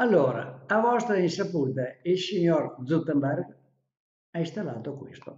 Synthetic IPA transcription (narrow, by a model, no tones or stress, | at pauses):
alːoːɾa̰avɔst̪ɾainsapuːt̪ailsiɲoɾd̪zut̪ːɛmbɛrɡ | aist̪alaːt̪okwist̪o̰